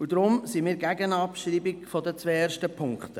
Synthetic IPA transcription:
ud̪ɾʊmsimiːɾɡæɡənɑpʃɾiːbɪkfɔdət͡sʋɛːeːɾʃtəpʰʊŋkχtə

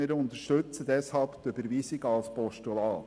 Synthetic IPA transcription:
ɪɾʊnt̪əʃtʉt͡səd̪ɛshɑlpt̪ybəɾʋiːsɪɡɑlspɔʃtulɑː

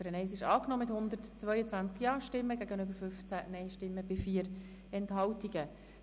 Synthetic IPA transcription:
fɾɛnesɪʃɑːknɔmɪthʊnd̪əɾtt͡svœʏət͡sʋænt͡skjɑːʃtɪmːəɡ̥æɡənʏbəɾfʏft͡sænɛɪʃtɪmːəbɪfiːəɾ | ɛnthɑltiɡ̥ə

